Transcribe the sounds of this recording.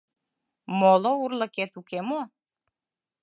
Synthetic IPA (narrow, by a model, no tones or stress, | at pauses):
molourlɤ̆ket̪ukemo